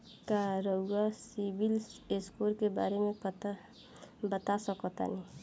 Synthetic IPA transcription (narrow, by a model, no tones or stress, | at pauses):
kaɾəʊɡasibileskoɾkeba̰ːɾemẽt̪a | bət̪asɔkɔt̪a̰ni